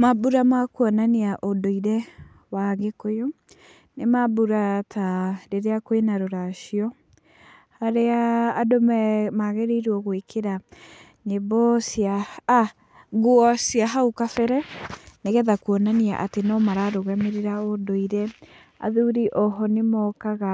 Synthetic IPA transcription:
mabuɾamakuɔnaneaʔodoiɾɛ | waŋɡekojo | nemabuɾatʰaɾeɾeakwenaɾoɾaʃiɔ | haɾeaːdomɛmaɣɛɾeiɾwɔɣwekʰeɾa | nebɔsia | ɡwɔsiaɦaukafɛɾɛneɣɛðakuɔnania̰ʔatenɔmaɾaɾoɣɛmeɾeɾaodoiɾɛ | a̰ðuɾiʔɔɦɔnemɔkaɣa

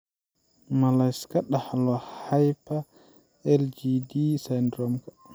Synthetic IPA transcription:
malajskaɗahlɔhajpa | ɛld͡ʒidisajndɾɔmkḁ

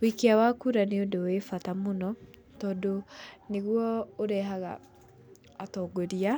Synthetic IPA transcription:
wikeawakuɾaneodowefatamonɔ | tɔːdoneɣwɔoɾɛɦaɣa̰ː | tɔːɡoɾia

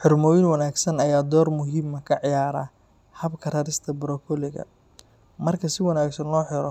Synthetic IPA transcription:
ħʊrmɔːwɪnwɐnaːɡsɐnɐjaːd̪ɔːrmʊɦiːmɐkʰɐʕɪjaːɾaː | hɐbkʰɐrɐɾɪst̪ʰɐbɾɔkʰɔlɪɣɐ̰ | mɐrkʰɐsɪwɐnaːɡsɐnlɔːħɪɾɔ

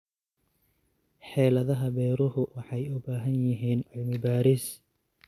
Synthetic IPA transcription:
ħɛːlɐðɐɦɐbɛːɾʊɦʊwʔɑħɑjʊbaːɦɐnjɪɦiːnɪlmɪbaːɾɪs

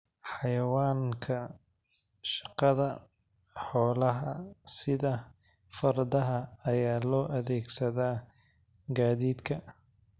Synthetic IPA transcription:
ħɑjɐwaːŋkʰɐ | ʃɑ̥qɑðɐ | ħɔːlɐɦɐsɪðɐ | fɐrd̪ɐɦɐɐjaːlɔːʔɐðɛːɡsɐðaː | ɡaːðiːd̪kʰɐ

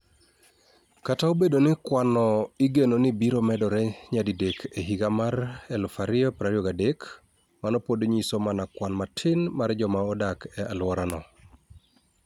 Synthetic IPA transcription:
kataobedonɪkwanɔiɡenonɪbiɾomɛdɔɾɛɲadidekʰeɦiɡamaɾɛlʊfaɾɪɔpɾaɾioɡadek | manɔpodɲisomanakwanmatʰɪnmaɾd͡ʒɔmaɔdakʰɛalwɔɾanɔ

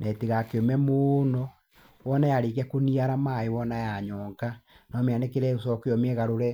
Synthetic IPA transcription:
nʔɛteɣakeomɛmonɔ | wɔnajaɾekɛkoniaɾamaewɔnajaɲɔːŋɡanɔmeanɛkeɾɛosɔkeɔmɛɣaɾoɾɛ

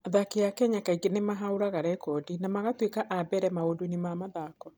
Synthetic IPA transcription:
aðakeakɛɲakaiɡenemaɦaoɾaɣaɾɛkɔdinamaɣatwekaʔabɛɾɛmaodonimamaðaːkɔ

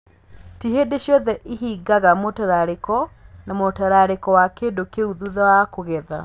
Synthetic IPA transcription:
tiɦedeɕjɔðɛʔiɦiɡaɣamotaɾaɾekɔnamotaɾaɾekɔwakeːndokeuðuðawakoɣɛða̰

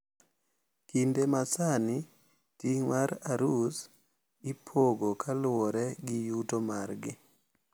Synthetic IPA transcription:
kindemasani | tiŋwaɾaɾus | ɪpʰoɡokʰalʊwɔɾɛɡɪjutomarɡɪ

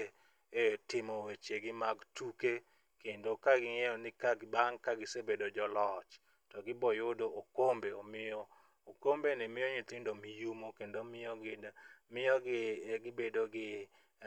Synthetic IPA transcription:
etɪmowet͡ʃeɡɪmaɡtuke | kendokaɡɪŋɛɔnɪkaɡbaŋkaɡɪsebedod͡ʒɔlɔt͡ʃ | tɔɡɪbɔjodoʔokombeomɪjɔ | okombenɪmɪjoɲit̪ɪndomijumokendomɪjɔɡɪmɪjɔɡɪɡɪbedoɡɪ

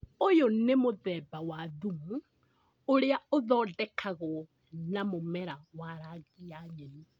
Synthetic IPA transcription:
ojonemoðɛbawaðumu | oɾeaoðɔːdɛkʰaɣɔ | namomɛɾawaɾaɣiaɲɛɾi

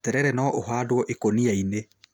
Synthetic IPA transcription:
tɛɾɛɾɛnɔʔoɦaːdwɔʔekoniaine

